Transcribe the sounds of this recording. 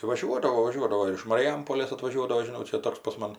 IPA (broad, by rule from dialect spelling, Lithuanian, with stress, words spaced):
ʋɐˈʒʲuɔdɐʋoː ʋɐˈʒʲuɔdɐʋoː ɪr ɪʃ mɐrʲɪˈjɛmpoːlʲeːs ɐtʋɐˈʒʲuɔdɐʋoː ʒʲɪˈnɐʊ ˈt͡ʃʲɛ ˈtoːks pɐs ˈmɐn